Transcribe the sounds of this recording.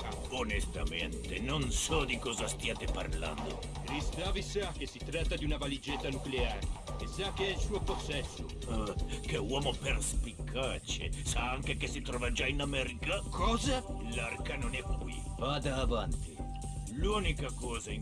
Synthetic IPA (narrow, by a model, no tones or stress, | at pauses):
a | onest̪a̰mḛnt̪enonsɔd̪ikɔːzast̪iaːt̪epa̰rla̰nd̪o̰ | kɾist̪avisakːesːit̪ɾat̪ːad̪iunavalid͡ʒɛt̪ːanukleaːɾeesakːeɛlsuːoposɛsːo | akewɔːmoperspikʰːat͡ʃḛsaaŋkekesit̪ɾɔːvad͡ʒainamɛːɾikakʰɔːzalarkanonɛkːwḭvad̪aːvant̪i | luːnikakɔːzai